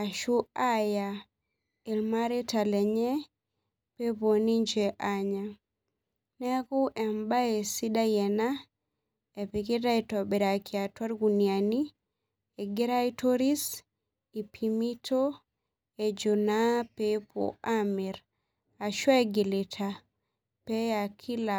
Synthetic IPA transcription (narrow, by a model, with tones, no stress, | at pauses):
a˨ʃu˦a˦ja | i˨lmaɾe˦ta˨lɛ˨ɲɛ˦ | pe˦po˨ni˦ɲd͡ʒɛʔaɲa | nɛ˦ku˦ʔɛ˨mba˦e˨si˦da˦jɛ˨na | ɛ˨piki˦ta˦itɔ˨be˨ɾa˨kʰia˨twa˦ɾɡuniani | e˨ɡe˦ɾa˦ito˦ɾi˦s | i˨pʰimi˦tʰo˦ | e˨d͡ʒu˨napepʰo̰ami˨ɾ | a˨ʃwa˦eɡi˨le˨tʰa | pɛ˦akʰi˦la